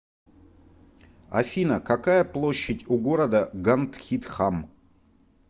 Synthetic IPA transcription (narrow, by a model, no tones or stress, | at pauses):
ɐ̰fʲinəkɐkajəplˠo̞ɕːɪtʲʊɡo̞ɾəd̪əɡant̪xʲit̪xam